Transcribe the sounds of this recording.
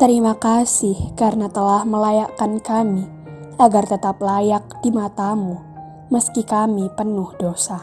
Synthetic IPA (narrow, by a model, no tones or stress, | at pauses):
t̪əɾimakasɪhkarnat̪əlahməlajaʔkankami | ʔaɡart̪ət̪ap̚lajak̚d̥imat̪amu | məskikamipənʊhdosa